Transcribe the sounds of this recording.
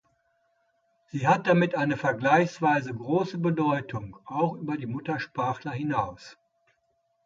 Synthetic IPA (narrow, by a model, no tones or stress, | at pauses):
z̥iːɦat̚d̥amɪtʔaɪnəfɛɐɡlaɪçsv̥aɪzəɡʁoːsəbədɔʏtʰʊŋʔaʊxʔyːbɐdiːmʊtɐʃpʁ̥aːχlɐhɪnaʊs